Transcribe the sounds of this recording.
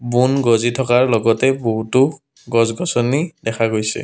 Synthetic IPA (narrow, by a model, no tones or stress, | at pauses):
bunɡɔzitʰɔkaɹlɔɡɔtɛboɦutʊ | ɡɔzɡɔsɔnidɛkʰaɡojsɛ̰